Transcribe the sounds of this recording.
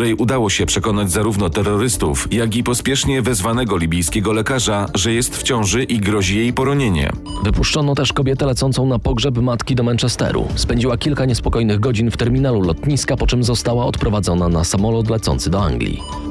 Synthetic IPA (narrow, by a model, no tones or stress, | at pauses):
ɾɛjʔud̪awɔɕɛpʂɛkɔnad͡ʑzaɾuvnɔt̪ɛɾːɔɾɘst̪ṵfjaɡʲipɔspʲjɛʂɲɛvɛzvanɛɡɔlʲibʲijskʲɛɡɔlɛkaʐaʐɛjɛst̪ft͡ɕɔ̃w̃ʐɘʔiɡɾɔʑijejpɔɾɔɲeɲɛ̰ | vɘpuʂt͡ʂɔnɔt̪ɛʂkɔbʲjɛt̪ɛlɛt̪sɔnt̪sɔ̃w̃napɔɡʐɛpmat̪kʲid̪ɔmɛnt͡ʂɛst̪ɛ̰ɾṵspɛɲd͡ʑiwakʲilkaɲɛspɔkɔjnɘɣɡɔd͡ʑinft̪ɛɾmʲinalulɔt̪ɲiskapɔt͡ʂɛmzɔst̪awaɔt̪pɾɔvad̪zɔnanasamɔlɔt̪lɛt̪sɔ̰nt̪sɘd̪ɔa̰ŋɡlʲḭ